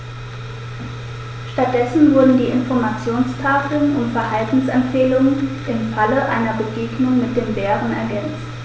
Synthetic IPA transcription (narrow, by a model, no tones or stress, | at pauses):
ʃtat̚d̥ɛsn̩vʊɐdn̩diːɪnfɔɐmat͡sjoːnstʰaːfl̩nʊntfɛɐɦaltn̩sɛmfeːlʊŋənʔɪmfaləʔaɪnɐbəɡeːɡnʊŋmɪt̚d̥eːmbeːʁənɛ̰ɐɡɛnt͡st